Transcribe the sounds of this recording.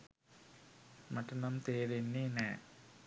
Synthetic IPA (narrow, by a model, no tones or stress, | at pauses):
mɐʈːɐnɐmt̪eːɾenːenɛ